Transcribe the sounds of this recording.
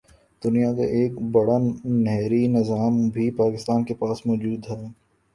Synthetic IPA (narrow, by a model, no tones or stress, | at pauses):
d̪̥ʊnijaka̰ʔeːkbɐɽanɛɦɾinɪzaːmbʱipaːkɪst̪aːnkepaːsmɔːd͡ʒuːd̪ɦɛː